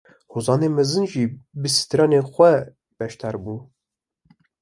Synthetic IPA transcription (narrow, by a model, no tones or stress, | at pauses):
hozɑːneːmɛzɨnʒibəsi̥t̪ʰɾɑːnexʷɛ | b̥ɛʃt̪ʰɑːɾbuː